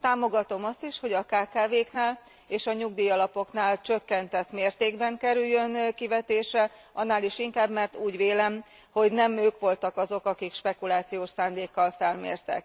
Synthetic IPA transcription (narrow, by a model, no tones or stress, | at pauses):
t̪aːmo̞ɡɒt̪o̞mɒst̪iʃho̞ɟɒkaːkaːveːknaːl | eːʃɒɲuɡd̪iːɒlɒpo̞knaːlt͡ʃø̞kːɛnt̪ɛt̪meːrt̪eːɡbɛŋkɛɾyjːø̞nkivɛt̪eːʃɛ | ʔɒnːaːliʃiŋkaːbmɛrt̪uːɟʋeːlɛm | ho̞ɟnɛmøːkʋo̞lt̪ɒkɒzo̞kɒkikʃpɛkulaːt̪sijoːʃsaːnd̪eːkːɒlfɛlmḛːrt̪ɛ̰k̚